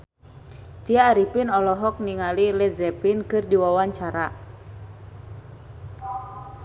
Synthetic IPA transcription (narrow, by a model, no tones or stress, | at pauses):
t̪iaːɾipinɔlɔɦɔk̚niŋalilɛzɛpinkɨrdiwawaɲt͡ʃaɾa